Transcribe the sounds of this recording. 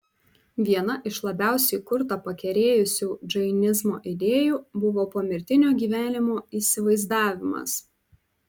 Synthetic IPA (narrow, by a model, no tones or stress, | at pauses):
ʋʲiɛnɐʔɪʃlˠɐbʲæˑʊsʲɛjkʊɾt̪ɐpɐkʲɛɾʲeːjʊsʲuːd͡ʒɐɪnʲɪzmo̰ːʔɪd̪ʲeːjuːbʊʋoːpoːmʲɪɾʲt̪ʲɪnʲoːɡʲiːʋʲæːnʲɪmoːiːsʲɪʋɐɪzd̪ɑːʋʲɪmɐ̰s